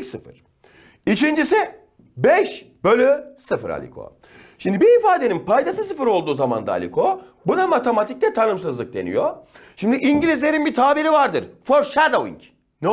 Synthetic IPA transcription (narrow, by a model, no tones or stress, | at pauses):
sɯfɯ̰ɾ̥ | icʰind͡ʒisi | bɛʃ | bølʲysɯfɯɾa̰lʲḭkʰo̰ | ʃimd̪ibiːfaːd̪eninpajd̪asɯsɯfɯɾo̞lˠd̪uːzama̰nd̪a̰ːlʲḭkʰo | bunamat̪ʰemat̪ʰic̚lʲɛt̪ʰanɯmsɯzlˠɯk̚d̪e̞nḭjo | ʃimd̪iʔiɲɟilʲizlʲe̞ɾinbit̪ʰaːbiɾivaɾd̪ɯɾfoɾʃad̪owḭɲc | nɛ